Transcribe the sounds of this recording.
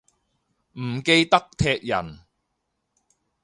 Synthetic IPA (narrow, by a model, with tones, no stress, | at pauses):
m̩˨˩ke˧jt̪ɐ˥k̚t̪ʰɛː˧k̚jɐ̰˨˩n